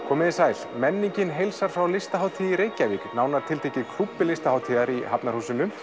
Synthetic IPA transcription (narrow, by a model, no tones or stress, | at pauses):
kʰɔːmɪðɪsaːjl̥mɛnːiɲcɪnɦejlsaɾ̥fɾawlɪst̪aɦaːwt̪ʰiːjiɾeːjcaviknaːwnaɾ̥t̪ʰɪlt̪eːjcɪkʰlupːɪlɪst̪ahawt̪ʰiːðaɾiɦapnaɾhuːsɪnːʏm